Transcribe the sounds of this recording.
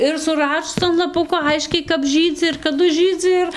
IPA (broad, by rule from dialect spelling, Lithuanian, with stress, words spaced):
ɪr sʊˈrɑːʃʊs ɐn lˠɐˈpʊkoː ˈɐɪʃʲkʲɛɪ kɐp ˈʒʲiːd͡zʲɪ ɪr kɐˈdʊ ˈʒɨd͡zɨ ɪr